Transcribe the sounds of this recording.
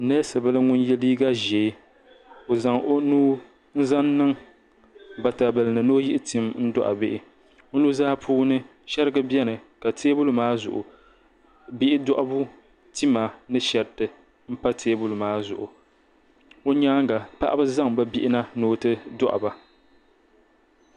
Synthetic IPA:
nɛ˦sɨ˨bɨ˦lɨ˦ŋʊ˦n˦jɛ˦liː˦ɡa˦ʒɛ˨˦ | o˨za˨ŋʔo˦nuː˦ | n̩˦za˦nːɨ˦ŋ | ba˨ta˨bɨ˨lɨ˨nɨ˨no˦ji˦ʔɪ˦ti˦mn̩˦dɔ̰˦ʔa̰˨bɪ˦ʔɪ˨ | o˦nu˦zaː˦pʰuː˦nɨ˦ | ʃɛ˦ɾɨ˦ɡɨ˦bɛ˦nɨ˨ka˨tʰeː˦bʊ˦lʊ˨maː˦zʊ̰˨ʔʊ̰˨ | bɪ˦ʔɪ˦dɔ˦ʔa˦bu˦ | ti˦ma˨nɨ˦ʃɛ˨ɾtɨ˨ | m̩˦pa˦tʰeː˦bʊ˦lʊ˨maː˦zʊ˨ʔʊ˨ | o˦ɲaː˦ŋ˦ɡa˨pa˦ʔa˦bɨ˦za˦ŋba˦bi˦ʔɪ˦na˦noː˦tɨ˦dɔ̰˦ʔa̰˨ba˨

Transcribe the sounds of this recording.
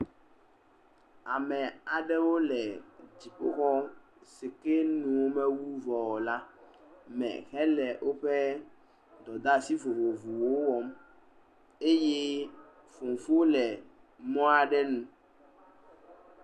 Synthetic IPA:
a˨mɛ̃˨a˨ɖɛ˦wo˦lɛ˨d͡ʑi˨ɸo̰˦xɔ˦ | se˨ke˦nũ˨wo˦mɛ̃˦wu˦vɔ˨la˦ | mɛ̰̃˨xɛ˦lɛ˨wʔo˦ɸɛ˦ | d̪ɔ˨d̪a˦si˦vo˨vo˨vu˨wo˦wɔ˦m | e˦je˦ | fo˨ŋ˨fu˦o˦lɛ˨ | mɔ̃˦a˨ɖɛ˦nũ˦

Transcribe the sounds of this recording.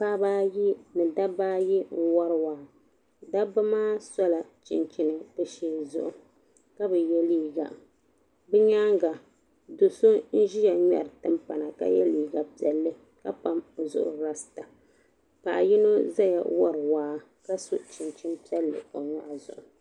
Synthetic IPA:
paː˦baː˦ji˦nɨ˨da˦baː˦ji˦ŋ̩˦wɔ˦ɾwaː˨˦ | da˦ba˦maː˦sɔ˦la˨t͡ʃɪ̰˨nt͡ʃi˨nɨ˨dɨ˦ʃeː˦zʊ̰˦ʔʊ˨ | ka˦bɛ˨jɛ˦liː˦ɡa̰˨ | bɛ˦ɲa˦ŋɡa˨ | do˨so˦n̩˦ʒi˦ja˨ɲɛ̰˨ɾɨ˨tɨ˦mpa˨na˨ka̰˦jɛ̰˦liː˨˦ɡa˨pi˨ɛ˨lːɨ˦ | ka˦pa˦mo˨zʊ̰˦˨ʔʊ̰˨ɾa˦sɨ̥˨ta˨ | ka̰˨ʔa˨ji˦no˦za˦ja̰˨wɔ˦ɾɨ˨waː˨˦ | ka˦su˦t͡ʃɪ˨nt͡ʃɪ˦npi˦ɛ˦lːɨ̰˨o˨ŋɔ˦ʔa˨zʊ̰˨ʔʊ˨

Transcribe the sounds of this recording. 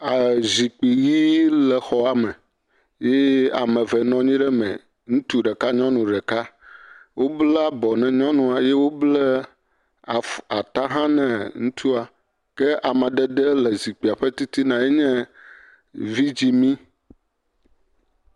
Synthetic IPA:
a˨zi˨k͡pi˨ji˦lɛ˨xɔ˨a˨mɛ̃˨ | jɛ˦a̰˨mɛ̃˨vɛ˨nɔ̃˦ɲĩ˦ɖɛ˦mɛ̰̃˨ | ŋũ˦t̪u˦ɖɛ˨ka˦ɲɔ̃˦nũ˨ɖɛ˨ka˦wo˦blɛ˦a˨bɔ˨nɛ̃˨ɲɔ̃˦nũ˦a˨jɛ˦wo˦blɛ˦ | a˨fa˨t̪a˦ɦã˦nɛ̃˨ŋũ˦t̪ʰu˦a˨ | kɛ˦ʔa˨mã˨ɖɛ˦ɖ̪e˦lɛ˨zi˨k͡pi˨a˨ɸe˦t̪i˦t̪i˦nã˨je˦ɲɛ̃˦ | vi˦d͡ʑi˦mĩ˦

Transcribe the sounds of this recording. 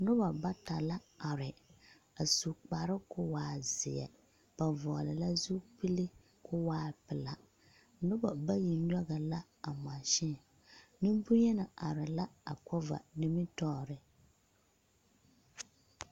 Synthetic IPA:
nʊ˦ba˨ba˦ta˨la˦a˨ɾɪ˨ | a˨su˨k͡pa˨ɾɪ˦kʊ˦waː˨zɪ˨jɛ̰˨ | b̥a˨vɔ˨lɪ˨la˦zu˦pi˦li˦ | kʰʊ˦waː˦˨pɪ˨la˨ | nʊ˦ba˨ba˦ji˨ɲ˦ɔ˦ɣa˨la˦ | a˨m˨a˨ʃɪ˦˨ | nɪ˦mbʊ˦ɲɛ˦na˨ʔa˨ɾɪ˨la˦a̰˨kɔ˦va̰˨ni˦mɪ˦tɔː˦˨ɾɪ˨

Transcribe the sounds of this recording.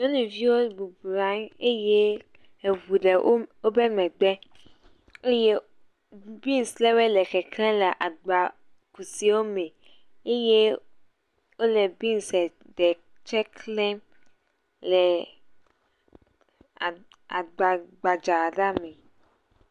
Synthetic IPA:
ɲɔ̃˦nũ˨vi˦wo˦bu˨bɾa˦ne˦je˦ | e˨vu˨ɖe˨ʔo˦wo˦bɛ˦mɛ̃˨ɡ͡bɛ˦ | e˦je˦ | bi˦n˨slɛ˦wɛ˦lɛ˨kɛ˨klɛ̃˦lɛ˨ʔa˨ɡ͡ba˨ | ku˨si˦wo˦mɛ̃˨ | e˦je˦ | wo˦lɛ˨bi˦nsɛ˨ | ɖɛ˨ | t͡ʃɛ˦klɛ̃˦m | lɛ˨ | a˨ | a̰˨ɡ͡ba˨ɡ͡ba˨d͡ʒa˨ɖa˦mɛ̃˨

